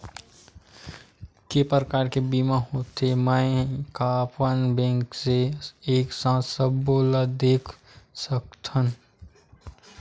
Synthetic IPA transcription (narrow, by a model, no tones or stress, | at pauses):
kepɾəkaːɾkebiːmãhoːt̪emə̃kapənbɛ̃ːŋkseeːksãːsəbːoːlad̪eːkʰ | sək̚t̪ʰən